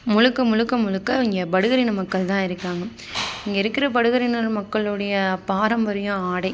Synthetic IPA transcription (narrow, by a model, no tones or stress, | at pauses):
mʊɻɯkːɐmʊɻɯkːɐmʊlɯkːɐɪŋɡɐbɐɽɯɣɐɾɪnɐmɐkːɐɭt̪ãːɪɾɯkːaːŋɡɐ | ɪŋɡɐɪɾɯkːɪɾɐpɐɽɯɣɐɾɪnɯlmɐkːɐɭɯɽɐjɐpaːɾɐmʋɐɾɐjõaːɽɐɪ